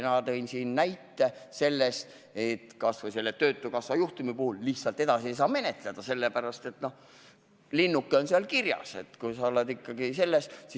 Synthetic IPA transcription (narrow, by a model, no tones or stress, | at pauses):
nɑt̪e̞jnsiːnnæjt̪ːe̞se̞lːest̪ | et̪kɑsvojse̞lːet̪ø̞ːt̪ːˑukɑsvɑjuht̪umipuhulːihtsɑlt̪ːˑe̞d̪̥ɑsiejs̬ɑːme̞ne̞t̪led̪̥ɑse̞lːepæɾɑst̪e̞t̪no̞h | linːukːeo̞nseɑlkirjɑ̰se̞̰t̪kujsɑolːed̪ikːɑɡ̥ise̞lːest̪si